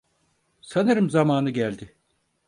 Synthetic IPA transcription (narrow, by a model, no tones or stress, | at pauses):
sanɯɾɯmzamaːnɯɟælʲd̪ɪ